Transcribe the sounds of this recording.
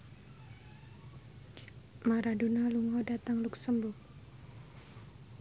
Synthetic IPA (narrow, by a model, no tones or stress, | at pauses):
maɾadunaluŋɔdat̪aŋluksəmbʊk̚